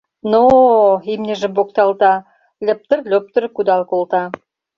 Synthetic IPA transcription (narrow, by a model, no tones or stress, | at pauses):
noimnʲɘ̆ʒɘ̆bok̚t̪ɑlˠt̪ɑ | lʲɘ̆p̚t̪ə̆rlʲøp̚t̪ə̆ɾkud̪ɑlˠkolˠt̪ɑ